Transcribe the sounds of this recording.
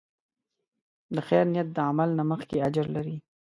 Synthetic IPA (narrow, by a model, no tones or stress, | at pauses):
d̪əxɛjɾnijat̪̚d̪əamalnaməxkead͡ʒɾlaɾi